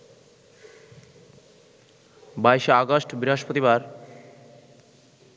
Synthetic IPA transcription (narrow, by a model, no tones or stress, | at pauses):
baeʃeaɡoʃʈbiɾɦaʃpot̪ibaɾ